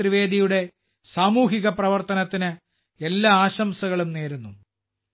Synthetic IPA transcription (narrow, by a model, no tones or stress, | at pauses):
riʋeːd̪ijuɽe̞ | saːmuːɦiɣɐprɐʋɐrt̪ɐnɐt̪ːinɨ | elːaaːɕɐmsɐɣɐɭumneːɾunːu